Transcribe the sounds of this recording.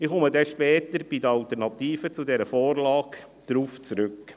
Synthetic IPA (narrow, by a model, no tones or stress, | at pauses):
ɪχoməd̪ɛʃpɛːt̪əɾb̥idəɑlt̪əɾnɑt̪iːfət͡sud̪ɛɾəfɔːrlɑːk | d̥ɾuːft͡sɾʉk